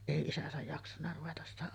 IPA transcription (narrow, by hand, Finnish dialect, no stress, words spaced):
eˑi isæsæj jɑksɑnːɑ ruʋetɑs sitæ